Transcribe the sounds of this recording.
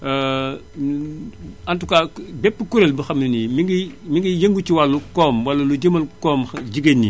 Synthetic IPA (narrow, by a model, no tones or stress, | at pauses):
antukabepːəkuɾelbəxɐmːinimiɡimiŋɡijɐŋɡut͡ʃiwalːukɔːmwalːɐluɟɐmɐlkoːmd͡ʒiɡenːḭ